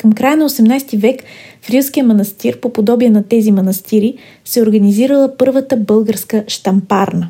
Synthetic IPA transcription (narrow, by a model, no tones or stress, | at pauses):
kəmkɾajənɐosɛmnajst̪ivɛkfɾʲiskijəmɐnɐst̪iɾpopod̪ɔbiɛnɐt̪ɛzimɐnɐst̪iɾi | sɛoɾɡɐniziɾəlˠəpɤɾvət̪əbɤlˠɡəɾskəʃt̪ɐmpaɾnə